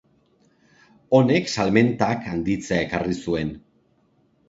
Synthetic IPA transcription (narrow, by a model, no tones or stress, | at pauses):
o̞ne̞ksalme̞nt̪akand̪it͡seae̞karisue̞n